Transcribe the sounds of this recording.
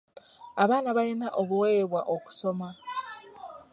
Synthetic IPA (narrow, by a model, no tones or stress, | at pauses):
aβaːnaβajinaʔoβuwe̞ːβwaʔo̞ku̥so̞ma